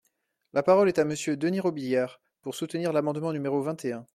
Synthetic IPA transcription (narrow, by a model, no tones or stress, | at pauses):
lapaʁɔlɛt̪aməsjød̪əniʁɔbijaʁ | puʁsut̪niʁlamɑ̃d̪mɑ̃nymeʁovɛ̃t̪eɛ̃